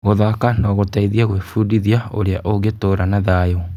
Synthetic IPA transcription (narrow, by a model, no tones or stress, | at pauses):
ɣoðakanɔɣotaiðiaɣwefudiðiaoɾeaʔoɣetoːɾanaðajɔ